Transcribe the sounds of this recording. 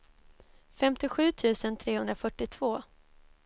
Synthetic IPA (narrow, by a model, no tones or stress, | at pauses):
fɛmt̪ɪɧʉ̟ːt̪ʰʉ̟ːsənt̪ʰɾeːhɵnd̪ɾafœʈːɪt̪ʰv̥oː